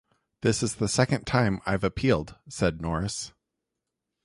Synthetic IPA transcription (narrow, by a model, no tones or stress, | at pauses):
ðɪsɨzðəsɛkɨ̃ntʰãɪ̃ma̰ɪvɨpʰilˠd̥sɛdⁿnɔɹɨs